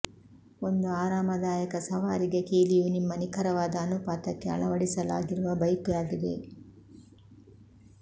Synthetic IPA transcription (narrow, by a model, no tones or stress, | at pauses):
o̞nd̪uaːɾaːmɐd̪aːjɐkɐsɐʋaːɾiɡe̞kiːlijunimːɐnikʰɐɾɐʋaːd̪ɐːnupaːt̪ɐkːeɐ̰ɭɐʋɐɽisɐla̰ːɡiɾuʋɐbɐjkjaːɡid̪e̞̰